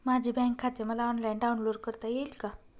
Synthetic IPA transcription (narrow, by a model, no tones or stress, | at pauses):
mad͡ʑʱibɛ̃ŋkʰːat̪eməlaɔnlajnɖaunloɖkəɾt̪ajelka